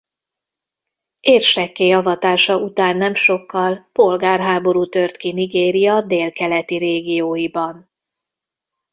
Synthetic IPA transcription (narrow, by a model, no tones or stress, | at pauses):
eːrʃɛkːeːjɒvɒt̪aːʃɒʔut̪aːnːɛmʃo̞kːɒlpo̞lɡaːrɦaːbo̞ɾuːt̪ø̞rt̪kiniɡeːɾijɒd̪eːlkɛlɛt̪iɾeːɡijoːjibɒn